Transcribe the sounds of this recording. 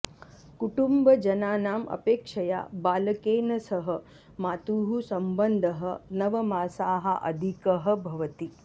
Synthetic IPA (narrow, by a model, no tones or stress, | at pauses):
kuʈumbɐd͡ʒɐnaːnaːmʔɐ̰peːkʂɐja̰ːbaːlɐkeːnɐsɐɦɐ | maːt̪uːɦusɐmbɐnd̪ʱɐɦɐnɐʋɐmaːsaːɦɐʔɐ̰d̪ʱikɐɦɐ̆bʱɐʋɐt̪i